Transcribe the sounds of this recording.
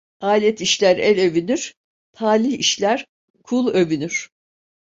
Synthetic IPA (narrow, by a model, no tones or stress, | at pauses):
aːlʲɛt̪ʰiʃlʲæɾɛlʲø̞vynyɾ̥ | t̪ʰaːlʲihiʃlʲæɾ | kʰulˠø̞vynyɾ̥